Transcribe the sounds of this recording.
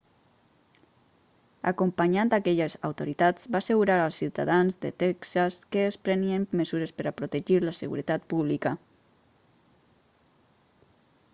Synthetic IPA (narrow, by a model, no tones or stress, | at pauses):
a̰kumpaɲant̪akɛʎəza̰wt̪oɾit̪ad͡zbasəɣuɾaɾalˠsiwt̪a̰ðanzðə̰t̪ɛksaskəːspɾəniemməzuɾespəɾapɾut̪eʒiɾləsəɣṵɾət̪at̪̚puβlikə